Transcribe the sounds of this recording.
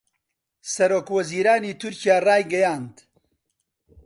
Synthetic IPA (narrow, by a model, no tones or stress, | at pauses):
sɐɾoːkwɐziːɾaːniːt̪ʰʊɾcijaːraːjɡɐjaːnd̪